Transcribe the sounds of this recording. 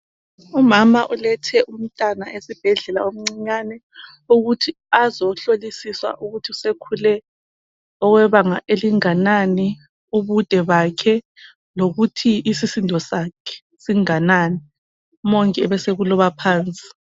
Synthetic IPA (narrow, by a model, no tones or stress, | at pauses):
umamaʔulɛtʰɛʔum̩tʼanaʔesib̥ʱɛɮɛla̰om̩ŋ͡ǀiɲanɛ | uɣutʰi | azɔɬolisiswa̰ʔuɣutʰiusekʰulɛ | ɔɣwɛβaŋaʔeliŋanani | uβud̥ʱɛβakʰɛ | loɣutʰiisisindʱɔsakʰɛ̥ | siŋanaːni | mɔŋkʼɛɛβɛseɣulɔβapʰaːnt͡sʼi̥